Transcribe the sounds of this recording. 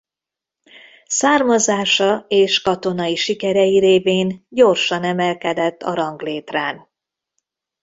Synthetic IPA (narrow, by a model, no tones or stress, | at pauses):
saːrmɒzaːʃɒeːʃkɒt̪o̞nɒjiʃikɛɾɛjiɾeːveːnɟo̞rʃɒnɛmɛlkɛd̪ɛt̪ːɒ̰ɾɒŋɡleːt̪raːn